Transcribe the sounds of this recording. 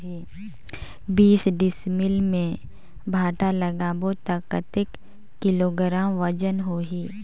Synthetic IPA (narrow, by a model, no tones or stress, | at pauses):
i | biːsɖɪsmɪlmẽ | bʱaːʈaləɡaːbot̪akət̪ɪkː | ɪloɡɾaːmʋəd͡ʒənɦoːɦiː